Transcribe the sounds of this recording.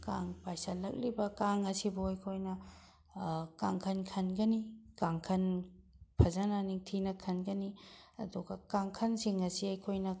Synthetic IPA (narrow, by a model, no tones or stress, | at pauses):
kaŋpajsalɐk̚libɐkaŋɐsiboɐjkʰojnɐ | kaŋkʰɐnkʰɐnɡɐnikaŋkʰɐnpʰɐzananiŋtʰinɐkʰɐnɡɐniɐ̰duɡɐkaŋkʰɐnsiŋɐsiɐjkʰojnɐ